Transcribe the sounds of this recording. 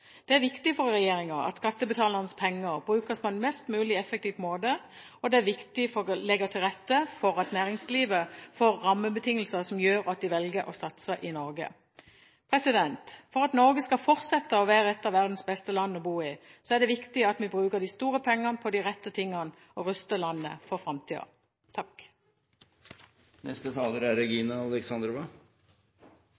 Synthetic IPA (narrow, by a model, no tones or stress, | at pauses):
d̪̥ɛæɾʋɪkt̪ɪfɔɾːɛjeːɾɪŋɑʔɑ̰t̪skɑt̪ːəbət̪ʰɑːləʁnəspʰɛŋːəɾbʁʉːkəspʰɔɛnmɛst̪mʉːlɪɛfək̚t̪iːʋmoːd̪ə | ɔd̪ɛæʋɪkt̪ɪfɔlɛɡət̪ʰɪlʁɛt̪ːəfɔɾɑt̪næːʁɪŋsliːʋəfoːʁːɑmːəbət̪ʰɪŋːəl̩səsɔmjøːɾɑt̪̚d̪ɪʋɛlɡəɾɔ̰sɑt̪səʔɪnɔɾɡə̰ | pʰɾɛsɪd̪ɛnt̪fɔʁɑt̪nɔʁɡəskɑfɔʁt̪sɛt̪ːəɔʋæːʁəɛt̪ːɑʋæʁd̪n̩sbɛst̪əlɑnːɔbuːɪsɔæʁd̪ɛʋɪkt̪ɪɑt̪mɪbʁʉːkəd̪ɪst̪uːʁəpʰɛŋːənəpʰɔd̪ɪʁɛt̪ːət̪ʰɪŋːən | ʔɔʁʉst̪əlɑnːə̰fɔʁfʁɑmt̪ʰiːɑ̰ | t̪ʰɑk | nɛ̰st̪ət̪ʰɑːləɾæɾɛɡiːnɑɑlɛksɑnd̪ɾʋɑ